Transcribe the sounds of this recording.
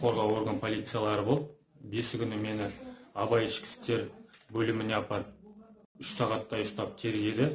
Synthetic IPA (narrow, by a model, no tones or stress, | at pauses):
qʰo̞ɾʁɑwo̞ɾɡənpʰo̞lʲit̪sɨjalˠɑɾəbo̞lˠp | be̞sɪkʲʰʏnɪme̞nɪɑbɑjɪʃkʲɪ̥st̪e̞ɾbɵlɪmɪne̞ɑpɑt̪ | ʏʃsɑʁɑt̪ːɑjʊst̪ɑp̚t̪ʰe̞ɾɡʲe̞d̪ɪ